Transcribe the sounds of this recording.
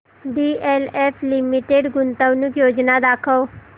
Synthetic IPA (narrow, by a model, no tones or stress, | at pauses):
ɖieleflimiʈeɽɡunt̪əʋnukjod͡ʑnad̪akʰəʋ